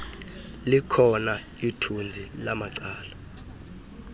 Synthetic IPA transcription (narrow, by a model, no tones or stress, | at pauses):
likʰɔna | itʰund͡zʱilamat͡saːla